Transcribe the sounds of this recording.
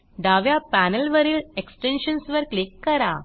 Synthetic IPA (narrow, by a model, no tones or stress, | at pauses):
ɖaʋjapænəlʋəɾiːleksʈenɕənsʋəɾklikːəɾa